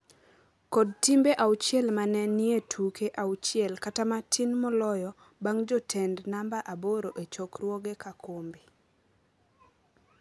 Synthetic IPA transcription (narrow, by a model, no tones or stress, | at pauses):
kɔd̚timbeʔawt͡ʃjɛlmanɛnietʰukeʔawt͡ʃɪɛlkatamatʰinmɔlɔjɔ | baŋd͡ʒɔtʰendnambaʔaboɾoʔet͡ʃokrwoɡekʰakʰombi